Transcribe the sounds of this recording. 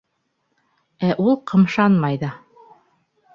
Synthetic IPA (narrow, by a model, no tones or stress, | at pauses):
æʔulˠqʰɤ̆mʃɑnmɑjðɑ